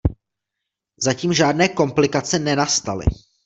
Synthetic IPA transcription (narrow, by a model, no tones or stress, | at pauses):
zaciːmʒaːdnɛːko̞mplɪkat͡sɛnɛnast̪alɪ̰